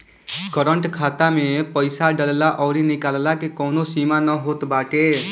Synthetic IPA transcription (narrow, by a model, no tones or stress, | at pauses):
kəɾəɳʈkʰaːt̪amepəɪsaɖəllaʔɔːɾinikaːllakekɔːnosimanəɦot̪baːʈe